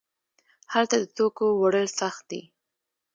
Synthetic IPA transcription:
halt̪ad̪ət̪okowaɽəlsaxt̪̚d̪ḭ

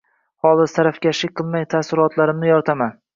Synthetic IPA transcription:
hɒlˠɪst̪ʰaɾafkʲaʃɪqʰɨlˠmajt̪ʰasɪɾɒt̪ʰlaɾɪmnɪjɒɾt̪ʰaman

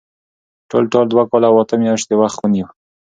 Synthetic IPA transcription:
ʈo̰lʈold̪wakɑlawat̪əmjɑʃt̪ewaxt̪wəniw

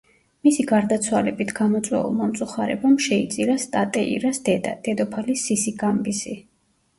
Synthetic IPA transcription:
misiɡaɾd̪at̪sʰwalɛbit̪ʰɡamɔt̪sʼwɛ̰ṵlˠmɔmt̪sʼuχaɾɛ̰bamʃɛit̪sʼiɾast̪ʼat̪ʼɛḭɾasd̪d̪̥ɛd̪ɔpʰalisisiɡambisi

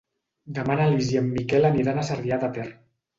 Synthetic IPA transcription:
d̪əmanalizjemːikɛlaniɾanasaɾðiat̪at̪ɛr

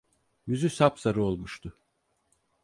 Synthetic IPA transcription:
jyzysapsaɾɯolˠmuʃt̪ʰʊ

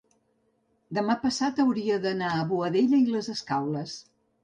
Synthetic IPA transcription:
d̪əmapəsat̪əwɾiəðənaəβuəðeʎəiləzəskawləs

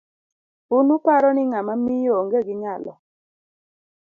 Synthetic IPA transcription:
unupaɾɔnɪŋamamijoŋɡeɡɪɲalɔ̰

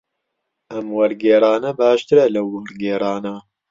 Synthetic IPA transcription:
ʔɐmwɐɾɡeːɾɑːnɐbaːʃt̪ɨɾɐlɐwːɐɾɡeːɾˤɑːnɐ

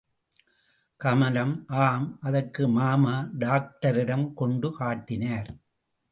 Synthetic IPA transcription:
kɐmɐlɐmʔaːmʔɐðɐrkɯmaːmaːɖaːk̚ʈɐɾɪɽɐmkɔɳɖɯkaːʈːɪnaːɾ

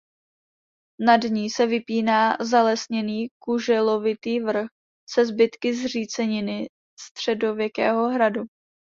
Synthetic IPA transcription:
nadɲiːsɛvɪpiːnaːzalɛsɲɛniːkuʒɛlo̞vɪt̪iːvr̩x | sɛzbɪt̪kɪzriːt͡sɛɲɪnɪ | st̪r̝̥ɛdo̞vjɛkɛːɦo̞ɦɾadu

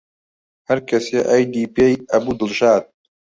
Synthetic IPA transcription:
hɐɾkɐseːʔajd̪iːpeːjʔɐbuːd̪ɨlʃaːd̪̚

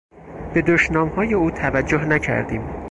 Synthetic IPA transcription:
b̥e̞d̪oʃnɒːmhɒːje̞uːt̪ʰævæd͡ʒːoɦnæcʰæ̰ɾd̪ḭːm

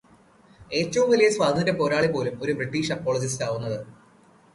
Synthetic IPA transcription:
e̞ːtːɐʋumʋilɐjeswaːd̪ʱdepo̞ːɾaːɭipo̞ːlumo̞ɾubriʈːiːʂɐpːoːɭɐd͡ʑisaːʋunːɐðɨ

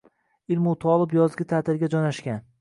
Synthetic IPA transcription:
ɪlmʊt̪ʰɒlˠɪpjɒzɡʲɪt̪ʰat̪ʰɪɾɡʲad͡ʒɒnaʃkʲan

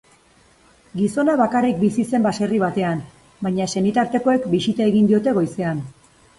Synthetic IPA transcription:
ɡiso̞naβakarik̚bisise̞mbase̞riβ̞at̪e̞an | bajɲase̞nit̪aɾt̪e̞ko̞e̞kbisit̪ae̞ɣind̪io̞t̪e̞ɣo̞jse̞an

